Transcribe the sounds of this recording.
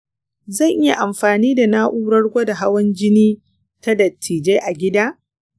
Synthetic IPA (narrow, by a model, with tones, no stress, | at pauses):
zɐ˦˨ŋʔɪ˦ja˨ʔa˨mɸaː˨niː˦da˨naː˦ʔuː˦ɽɐ˦ɽɡʷa˦da˨ɦa˦wɐ˦nd͡ʒɪ˦niː˦ | ta˦dɐ˨tʰːiː˨d͡ʒe˦ʔa˨ɡʲɪ˦daː˦